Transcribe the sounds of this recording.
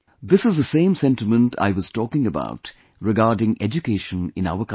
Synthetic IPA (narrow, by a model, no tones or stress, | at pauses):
d̪ɪsɨzðəsẽːmsɛ̃ntɪmə̃ntʰa̰ɪʋʌz̥tɔːkɪ̃ŋəba̰ʊt | ɾɪɡaːɾɖɪ̃ŋʔɛd͡ʒukeːʃə̃nɪ̰̃na̰ʊək